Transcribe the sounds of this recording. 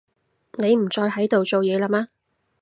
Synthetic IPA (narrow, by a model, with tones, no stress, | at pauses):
ne˨˧jm̩˨˩t͡ʃɔː˧jɦɐ˨˥jt̪o˨wt͡so˨wjɛː˨˧la˨maː˧